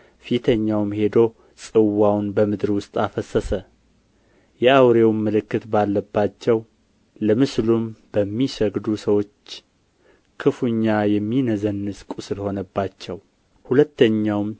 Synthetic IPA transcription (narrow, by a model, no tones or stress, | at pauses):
fit̪ʰəɲːawmhe̞d̪o̞ | sʼɨwawnbəmɨd̪ɾwʊst̪ʼafəsəsə | jɛawɾe̞wmːəlɨkːɨt̪balːəbːat͡ʃːɛw | ləmɨslumb̥əmːisəɡd̪usəwo̞t͡ʃː | kʰɨfuɲːajɛmːinəzənːɨskʼusɨlho̞nəbːat͡ʃːɛw | hulət̪ʰːəɲːawm